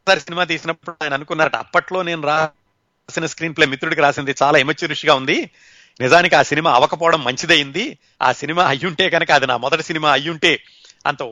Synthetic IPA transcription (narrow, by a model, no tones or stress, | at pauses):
saːɾisinimaːt̪̬iːsinɐppːuɽaːjɐnɐnukunːaːɐʈɐ̰pːɐʈlo̞ːne̞ːnuɾaː | sinɐskɾiːnpleːmit̪ɾuɽik̬iɾaːsind̪it͡ʃaːlaːimɐt͡ʃːiɾuʂiɡaːund̪i | nizaːnik̬iaːsinimaːɐʋɐkɐpɔːɐɽɐmːɐɲt͡ʃid̪ejind̪i | a̰ːsinimaːɐjːuɳʈe̞ːɡɐnɐkɐɐd̪inaːmɔd̪ɐʈi̥sinimaːɐjːuɳʈe̞ː | ɐ̰nt̪ɐ